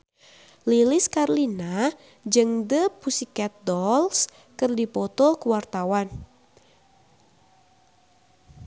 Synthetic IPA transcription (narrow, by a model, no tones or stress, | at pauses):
lilɪskarlina | d͡ʒɨŋdəpusikɛt̪̚dɔls | kɨrdipɔt̪ɔkuwart̪awan